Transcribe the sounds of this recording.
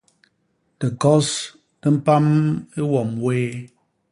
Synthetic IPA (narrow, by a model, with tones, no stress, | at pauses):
tə˨kɔ˦s | nə˦m̩˦pa˦me˦wɔ˨mweː˦